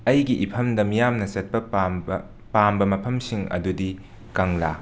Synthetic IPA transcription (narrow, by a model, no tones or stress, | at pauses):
ɐjɡiʔipʰɐmdɐmijamnɐsɐt̚pɐ | pambɐmɐpʰɐmsiŋɐ̰dudi | kɐŋla